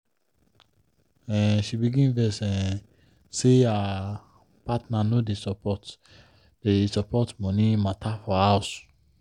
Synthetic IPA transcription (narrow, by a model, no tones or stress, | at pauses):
ɛ̃nʃibiɡĩnvɛsɛ̃n | sea | patnanodesɔpɔt | desɔpʰɔtmɔ̃nĩmatʰafɔhaʊs